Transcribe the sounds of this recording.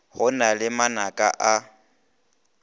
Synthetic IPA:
hʊnalɪmanakʼa̰ʔa

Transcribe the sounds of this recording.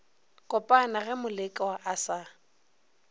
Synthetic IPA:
kʼʊpʼanaɣɛmʊlɪkʼɛwaʔasa

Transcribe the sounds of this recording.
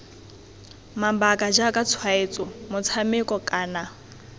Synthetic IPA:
mambakʼad͡ʒakʼat͡sʰwaet͡sʼɔmʊt͡sʰamɪkʼɔkʼaːna

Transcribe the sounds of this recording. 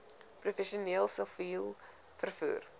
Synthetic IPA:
profɛʃiəniəlˠsəlviːlˠ | fərfṵːr

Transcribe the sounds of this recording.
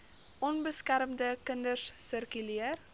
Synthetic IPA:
ʔɔnbəskæɾmdəkəndərsːərkyliər

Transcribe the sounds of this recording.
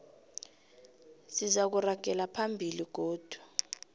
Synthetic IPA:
sizak̬uraɡ̥ʱɛlapʰambʱiliɡ̥̬oːd̥ʱu̥

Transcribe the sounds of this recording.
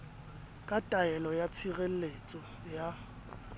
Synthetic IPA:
kʼatʼaɛlɔjat͡sʰiɣel̩let͡sʼɔ | ja

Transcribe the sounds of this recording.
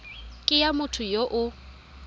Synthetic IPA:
kʼɪjamʊtʰʊjoʔʊ

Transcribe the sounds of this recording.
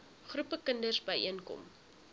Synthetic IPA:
χrupəkəndərsbəjʔiənkɔ̰m

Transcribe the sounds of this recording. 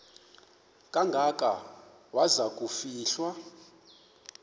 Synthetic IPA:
kʼaŋɡʱakʼa̰ | wazakʼufiːɬwa

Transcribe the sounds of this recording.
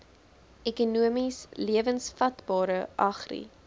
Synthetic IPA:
ɛkunuəmisliəvənsfɐtbɑːɾəʔɐχrḭ

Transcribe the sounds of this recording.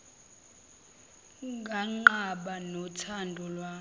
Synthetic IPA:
ŋɡʱaŋ͡ǃaɓanɔtʰandʱɔlwa

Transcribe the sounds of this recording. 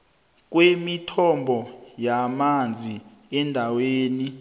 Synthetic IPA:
k̬wemitʰɔmbʱɔjamand͡zʱi | ɛndʱaweːni

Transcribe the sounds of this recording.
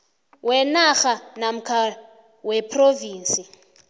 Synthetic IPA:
wɛnaxanam̩kʰa | wɛpʰroviːnsʼi

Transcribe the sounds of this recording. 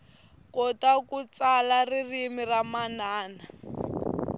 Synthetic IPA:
kɔtakut͡salaririmiramanaːna

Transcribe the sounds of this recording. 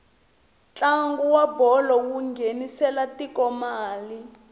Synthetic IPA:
t͡ɬaŋɡuwabɔlɔwuŋɡʱenisɛlatikɔmaːli

